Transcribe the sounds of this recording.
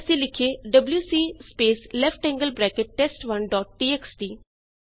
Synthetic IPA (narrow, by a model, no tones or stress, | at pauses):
sẽlɪkʰeɖɐbljuːsiːspeːslɛfʈɛ̃ŋɡəlbɾɛːkɪʈ̚ːesʈʋɐnɖɔːʈ̚ːiːeːksʈiː